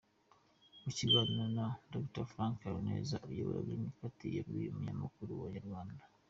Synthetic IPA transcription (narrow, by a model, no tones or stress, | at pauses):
muciɡaːnanadoktaɾfɾaːŋkaɾonḛːzajoβoɾa̰βimikatijeɾɡijumuɲamakuɾuβaɲaɾɡwaːndḁ